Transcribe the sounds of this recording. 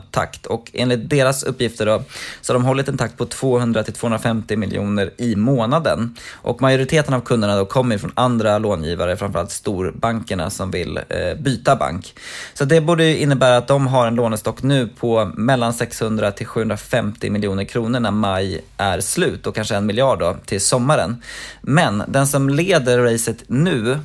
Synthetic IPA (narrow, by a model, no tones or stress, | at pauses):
t̪ʰa̰kt̪ʰɔkḛːnlɪt̪̚d̪eːɾasɵpːjɪft̪əɖɔsɔ̥haɖ̪ɔmɦɔlːɪt̪ɛnt̪ʰakt̪̚pʰɔt̪ʰv̥oːɦɵnd̪ɾat̪ʰɪlt̪ʰvoːhɵnɾafɛmt̪ɪmɪljṵːnəɾɪmoːnad̪ə̰nʔɔ̰kmajʊɾɪt̪ʰeːt̪ənavkʰɵnd̪əɳad̪ɔkʰɔmːəɾɪfɾɔnand̪ɾaloːnjḭːva̰ɾəfɾamfœɾalt̪st̪uːɾbaŋkəɳa̰sɔmvɪ̰lbyːt̪aba̰ŋk | sɔat̪̚d̪ɛbuːɖəjɵʔɪnːəbæːɾaːt̪̚d̪ɔmɦaɾɛnloːnəst̪ɔkːnʉ̟ːpʰɔmɛlːansɛkshɵnd̪ɾat̪ʰɪlɧʉ̟hɵnɾafɛmt̪ɪ̰mɪljuːnəɾkʰɾuːnəɳæmajʔæɾslʉ̟ːt̪̚d̪ɔkʰanʂəɛnmɪljɑːɖːɔt̪ʰɪlsɔmːaɾə̰nmɛnd̪ɛnsɔmleːd̪əɾɾɛɪsət̪nʉ̟ː